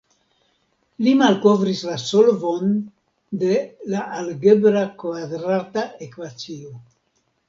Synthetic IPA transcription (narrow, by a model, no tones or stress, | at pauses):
limalko̞vɾislasolvo̞n | de̞laʔalɡe̞bɾakvadɾatae̞kvat͡sio